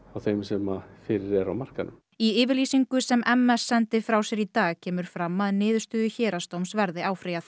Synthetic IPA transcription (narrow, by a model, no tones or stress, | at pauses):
awθejmsɛmafɪːɾɪɾɛɾawmar̥kanʏ̰m | iɪːvɪɾliːsiŋkʏsɛmʔɛmːɛsːɛnt̪ɪfɾawsjɛɾit̪aːɣcʰɛːmʏɾ̥fɾamːaðnɪːðʏst̪ʏːðʏçɛːɾast̪owmsvɛɾðɪaːwfɾiːjaθ